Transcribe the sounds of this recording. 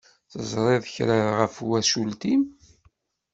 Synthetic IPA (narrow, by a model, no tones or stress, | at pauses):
θəzˤɾˤeðəçɾaðʁəfwæʃult̪im